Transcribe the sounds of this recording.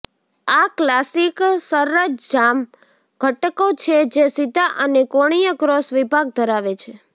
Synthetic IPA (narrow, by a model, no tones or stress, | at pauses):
aklasiksəɾːəd͡ʒd͡ʒam | ɡ̥ʱəʈkot͡ʃʰed͡ʒesid̪ʱaʔənekoɽ̃ijəkɾosʋibʱaɡ̚d̪ʱəɾaʋet͡ʃʰe